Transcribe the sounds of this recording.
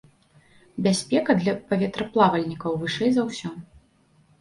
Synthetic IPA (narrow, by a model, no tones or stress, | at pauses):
bʲasʲpʲɛkɐd̪lʲɐpɐvʲɛt̪ɾɐplˠavɐlʲnʲikɐwvɨʂɛjzɐwsʲɔ